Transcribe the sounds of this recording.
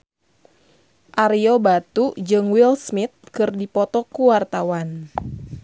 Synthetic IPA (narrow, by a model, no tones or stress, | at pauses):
ʔaɾiobat̪ud͡ʒɨŋwilsmit̪̚kɨrdipɔt̪ɔkuwart̪awan